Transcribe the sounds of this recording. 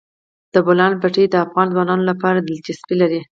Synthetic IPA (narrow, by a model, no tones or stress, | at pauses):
d̪̥əbolɑnbaʈed̪əafɣɑnzwɑnɑnolapɑɾad̪ɪld͡ʒɪspilaɾi